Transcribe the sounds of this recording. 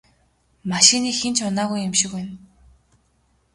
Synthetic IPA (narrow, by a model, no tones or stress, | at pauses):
maʃiniːxent͡ɕʰʊnaːɣujɪmʃɪ̆ken